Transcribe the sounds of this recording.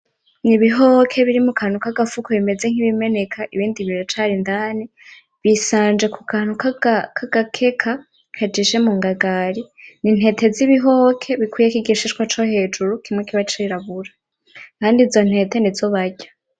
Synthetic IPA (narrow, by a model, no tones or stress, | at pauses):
niβiɦokʰe̞βiɾimukʰanukaɡafukʰoβime̞ze̞ŋ̥iβime̞ne̞kʰaʔiβiːndiβiɾot͡ʃaːɾindaːni | βisaːnd͡ʒe̞kukʰanukakʰaɡ̥akʰe̞kʰa | kʰad͡ʒiʃe̞muŋɡaɡaɾinin̥he̞te̞ziβiɦokʰe̞βikwuːjekiɡiʃiʃkwat͡ʃohe̞ːd͡ʒuɾukʰimŋekiβat͡ʃiɾaβuɾa | kaːndizo̞n̥he̞tenizoβaɟa